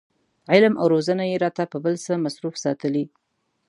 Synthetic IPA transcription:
ʕɪlmʔa̰wɾozənajeɾɑt̪apəbəlsəmasɾufsɑt̪əli

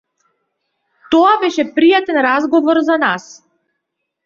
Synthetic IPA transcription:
t̪ɔabɛʃɛpɾijat̪ɛnɾazɡɔvɔɾzanas

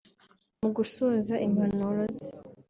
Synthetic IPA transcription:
muɡusuzaʔiŋhanoɾozi

